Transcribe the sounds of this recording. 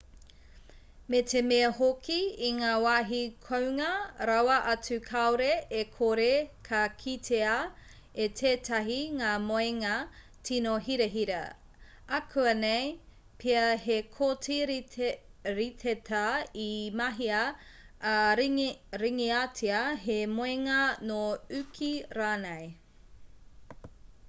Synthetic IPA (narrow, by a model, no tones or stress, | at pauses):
metʰemeɐhokʰiiŋaːwaːɦikʰowŋɐɾɐwɐʔɐt͡sʉkʰaoɾeekʰoɾekʰɐkʰitʰeɐ | etʰeːtɐɦiŋaːmoeŋɐ | tʰinoɦiɾeɦiɾɐ | ɐkʰʉɐnej | pʰiɐɦekʰotʰiɾ | ɾitʰetʰaimɐɦiɐ | ɾiŋiatʰiɐɦemoeŋɐnoʉkʰiɾaːnɐj